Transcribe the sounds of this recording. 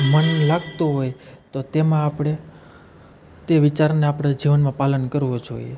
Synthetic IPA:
mənlaɡt̪oɦojt̪ot̪emãːpɽe | t̪eʋit͡ʃaɾneapɽ̃ad͡ʒiʋənmãpalənkəɾʋod͡ʒo̰ie

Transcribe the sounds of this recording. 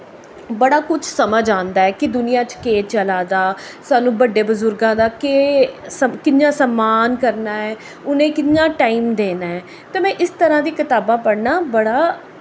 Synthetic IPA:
bəɽaːkʊt͡ʃʰsəməd͡ʒãːnd̪aːɛːkɪd̪ʊnɪjãːt͡ʃkeːt͡ʃəlaːd̪aːsaːnũːbəɖːeːbʊzʊɾɡãːd̪aːkeskɪnjãːsəmːaːnkəɾnaːɛː | ʊnẽːkɪnɲãːʈaːiːmd̪eːnaːɛː | t̪ẽːmɛ̃ːʔɪst̪əɾãːd̪iːkɪt̪aːbãːpəɽnaːbəɽaː

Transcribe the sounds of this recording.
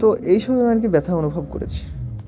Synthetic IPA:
t̪oʔejʃɔbimank̬ibɛt̪ʰaonubʱob̚ko̰ɾḛt͡ɕʰi̥

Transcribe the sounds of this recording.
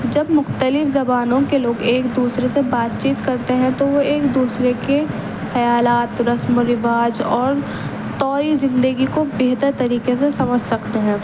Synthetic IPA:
d͡ʒɐbmʊxt̪əlɪfzɐbaːnõkeloːɡeːkd̪uːsɾesebaːt̪t͡ʃiːt̪kɐɾt̪eɦɛ̃t̪oʋoeːkd̪uːsɾeke | xɐjaːlaːt̪ɾɐsmoɾɪʋaːd͡ʒɔːɾ | t̪ɔːɾizɪ̃nd̪əɡikobeɦt̪əɾt̪ɐɾiːkesesɐməd͡ʒʱsɐkt̪eɦɛ̃ː

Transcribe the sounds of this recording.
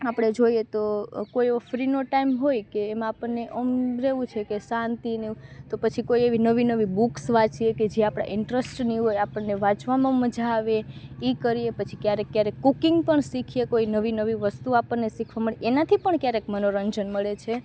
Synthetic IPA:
apɽ̃ed͡ʒoiet̪okoieʋofɾinoʈaimɦojkeːmãːpəɳːeʔəmɾeʋũt͡ʃʰekesãnt̪init̪opət͡ʃʰikoieʋinəʋinəʋibuksʋat͡ʃieked͡ʒeapɽ̃a̰ʔɪɳʈɾəsʈniɦojapəɳːeʋat͡ʃʋamãməd͡ʒʱaʋeikəɾiepət͡ʃʰi̥kjaɾekːjaɾekːukiŋɡpəɳsikʰijekoinəʋinəʋiʋəst̪uapəɳːesikʰʋaməɭeʔenat̪ʰipəɳkjaɾekmənoɾəɲd͡ʒənməɭet͡ʃʰe

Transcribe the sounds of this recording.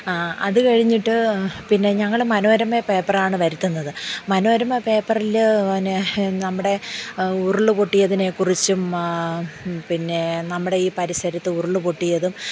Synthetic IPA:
aɐ̰ðɨkɐɻiɲːiʈːɨpinːe̞ɲɐŋːɐɭmɐno̞ːɾɐmepe̞ːpːɐraːɳɨʋɐɾit̪ːunːɐðɨmɐnoːɾɐmepe̞ːpːɐrilnːenɐmːuɽe̞uruɭːɨpoʈːijɐðine̞kurit͡ɕːum | pinːe̞nɐmːuɽe̞iːpɐɾisɐɾɐt̪ːɨuruɭːɨpoʈːijɐðum

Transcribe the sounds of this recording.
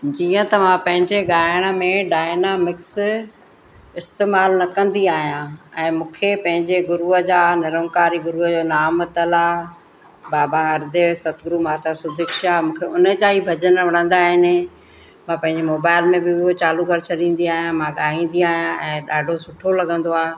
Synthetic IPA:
d͡ʑiːə̃t̪ɐʋ̤ãpɐ̃ɦɪ̃ɲd͡ʑeɠaːɪɽ̃ə̆mẽɖaːɪnaːmɪks | ɪst̪eːmaːlnɐkɐ̃nd̪iaːɦijãɛ̃ːmũːkʰepɐ̃ɦɪ̃ɲd͡ʑeɡʊɾuːəd͡ʑaːnɪɾəŋkaːɾiɡʊɾuːəd͡ʑoːnaːmt̪ɐla | baːbaɐɾd̪esɐt̪ʰɡɾuːmaːt̪ʰasʊd̪ʱɪkʃaːmũːkʰeʊnəd͡ʑaːibʱɐd͡ʑənʋɐɽ̃ə̃nd̪aːɦɪnɪ̆ | mãpɐ̃ɦɪ̃ɲd͡ʑemoːbaːɪlmẽbɪot͡ɕaːlukəɾt͡ɕʰɐɗĩːn̆d̪iaːɦjãmãɠaːĩːn̆d̪iaːɦijãɛ̃ːɗaːɖʱosʊʈʰolɐɡə̃nd̪oaː

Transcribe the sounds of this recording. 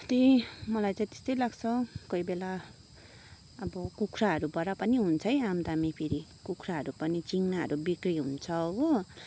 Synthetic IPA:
t̪imʌlajt͡saĩt̪e̥st̪ʌjlaɡt͡sʰʌkoibela | ʌbʌkukʰraɦʌɾubʌɾapʌniɦunt͡sʰʌjamd̪amipʰiɾikukʰɾaɦʌɾupʌnit͡siŋnaɦʌ̰ɾubikriɦunt͡sʰʌːbo

